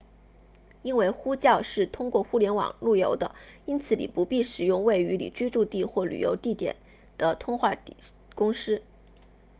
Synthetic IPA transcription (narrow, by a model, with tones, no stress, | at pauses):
i˥nwe˥˩ɪxu˥t͡ɕjɑ˥˧ʊʂɻ̩˥˩t̪ʰʊ˥ŋkwɔ˥˧xu˥ljɛ˧˥nwɑ̰˨˩ŋlu˥˩jo˧˥ʊd̪ə˧i˥nt͡sʰɹ̩˧˥lḭ˨˩pu˧˥pi˥˩ʂɻ̩˨˩jʊ˥˧ŋwe˥˩ɪy˧˥lḭ˨˩t͡ɕi˥ʈ͡ʂu˥˧t̪i˥˧xwɔ˥˩ly̰˨˩jo̰˧˥ʊt̪i˥˩t̪jɛ̰˨˩˦n | d̪̥ə˦t̪ʰʊ˥ŋxwa˥˩ | kʊ˥ŋʂɻ̩˥